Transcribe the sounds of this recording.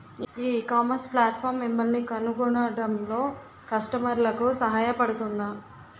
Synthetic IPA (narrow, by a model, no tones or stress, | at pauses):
iːkaːmɐnsplaːʈpʰaːɾmːimːɐlnikɐnuɡuɳaːɽɐmlo̞ː | kɐsʈɐmɐɾlɐkusɐɦaːjɐpɐɽut̪und̪a